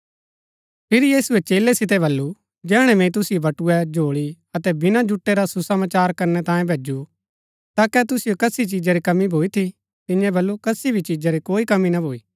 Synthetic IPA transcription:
pʰɪɾjiːsuɛt͡ʃeːlɛsɪt̪̬ɛβɐlːu | d͡ʒɛːɽ̃ɛ̃mɛ̃it̪̬ʊsijobɐʈuɛd͡ʒʱoːɭi | ɐt̪ɛbɪnad͡ʒʊʈːeɾasusɐmaːt͡ʃaːɾkɐɾnɛt̪ãːjẽbʱeːd͡ʒu | t̪aːkɛt̪ʊsijokɐsit͡ʃid͡ʒaɾikɐmːibʱoːit̪ʰi | t̪ɪ̃jɛ̃bɐlːukɐsibʱit͡ʃid͡ʒaɾikoːikɐminɐbʱoːiː

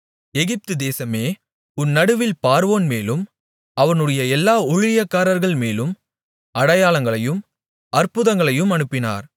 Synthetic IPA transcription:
ɛɣɪp̚t̪ɯd̪eːsɐmeː | ʊnːɐɽɯʋɪlpaːɾʋoːnmeːlɯm | ɐʋɐnɯɽɐjɐɛlːaːʊɻɪjɐkːaːɾɐɾɣɐɭmeːlɯm | ɐɽɐjaːlɐŋɡɐɭɐjɯm | ɐɾpʊðɐŋɡɐɭɐjɯmɐɳɯpːɪna̰ːɾ

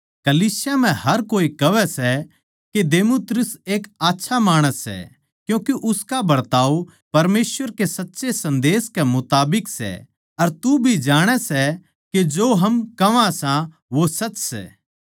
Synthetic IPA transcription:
kɐliːsɪjam̤ɛ̃hɐɾkoːikɐʋɛsɛ | ked̪eːmuːt̪ɾʊseːkaːtːʃʰamaːɽ̃əsːɛ̰ | kjũːkeʔʊskabɐɾt̪aːu | pɐɾmeːsʋəɾkesɐtːʃesɐ̃nd̪eːskɛmʊt̪aːbɪksɛ̰ | ɐɾt̪ubʱid͡ʒaːɽ̃ɛsɛ | ked͡ʒoːɦɐmkɐʋãsã | ʋosɐtːsɛ̰ː

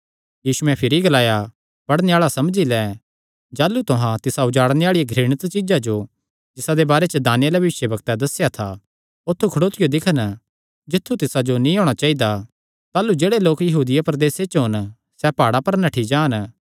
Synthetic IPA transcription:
jiːsuɛ̃pʰɪɾiɡɐlaːja | pɐɽneaːɭasɐmd͡ʒilɛː | d͡ʒaːlːut̪ʊɦãt̪ɪsaʊd͡ʒaːɽneaːɭijaɡʱɾiːɽ̃ət̪t͡ʃɪd͡ʒad͡ʒo | d͡ʒɪsad̪ebaːɾet͡ʃəd̪aːnɪjalɐbɐʋɪʃjəbɐɡt̪ad̪ɐsːjat̪ʰa | ʊt̪ʰːukʰɐɽoːt̪ɪjod̪ɪkʰən | d͡ʒɪt̪ʰːut̪ɪsad͡ʒonĩɔːɽ̃at͡ʃaːid̪a | t̪aːlːud͡ʒeːɽeloːkjɐɦuːd̪ɪjapɾɐd̪eːset͡ʃəɦʊn | sɛpaːɽapɐɾnɐʈʰid͡ʒaːn

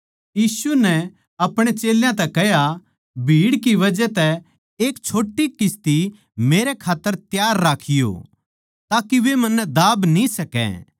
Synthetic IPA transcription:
jiːsunɛ | ɐpɽ̃et͡ʃeːljãt̪ɛkɛɦja | bʱiːɽkiʋɐd͡ʒɛt̪ɛ | eːkt͡ʃʰoːʈːikɪst̪i | meːɾɛkʰaːt̪ːəɾt̪jaːɾːaːkʰɪjo̰ | t̪aːkiʋemɐnːɛd̪aːbnĩsɐkɛ̰

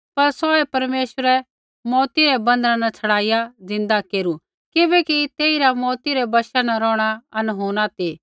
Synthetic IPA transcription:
pɐɾsɔːɛpɐɾmeːʃwəɾɛ | mɔːt̪iɾɛbɐ̃nd̪ɾãnɐt͡sʰɐɽaːɪjazɪ̃nd̪akeːɾu | kɪbɛkit̪eːiɾamɔːt̪iɾɛbɐʃanaɾɔːɽ̃aɐnɦoːɽ̃at̪eː

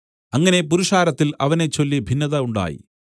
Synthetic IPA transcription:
ɐŋːɐne̞p̬uɾuʂaːɾɐt̪ːilɐʋɐne̞t͡ɕːo̞lːibʱinːɐðɐuɳɖa̰ːjḭ

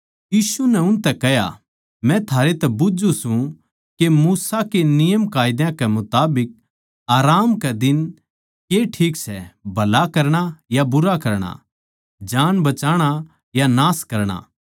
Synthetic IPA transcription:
jiːsunɛʊnt̪ɛkɛja̰ | mɛ̃t̪ʰaːɾet̪ɛbʊd͡ʒusũ | kemuːsakenɪjəmkaːjɪd̪jãkɛmʊt̪aːbɪk̚ | aːɾaːmkɛd̪ɪn | keʈʰiːksɛbʱɐlakɐɾɽ̃ajabʊɾakɐɾɽ̃a̰ | d͡ʒaːnbɐt͡ʃaːɽ̃a | janaːskɐɾɽ̃a̰

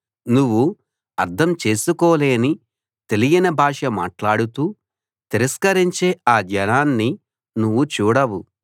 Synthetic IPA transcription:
nuʋːu | ɐɾt̪ʰɐmt͡ʃe̞ːsukɔːle̞ːni | t̪e̞lijinɐbʱaːʂɐma̰ːʈlaːɽut̪uː | t̪iɾɐskɐɾiɲt͡ʃeːaːd͡ʒɐnaːnːi | nuʋːut͡ʃuːɽɐʋu

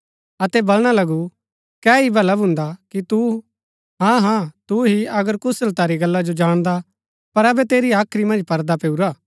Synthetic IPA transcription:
ɐt̪ɛbɐlɽ̃alɐɡu | kɛːibʱɐləbɦʊ̃nd̪akit̪u | ɦãːɦãːt̪uɦiɐɡəɾkʊsəlt̪aːɾiɡɐlːad͡ʒod͡ʒaːɽ̃d̪a | pɐɾɐbɛt̪eːɾiaːkʰɾimɐ̃nd͡ʒpɐɾd̪apeːuɾaː

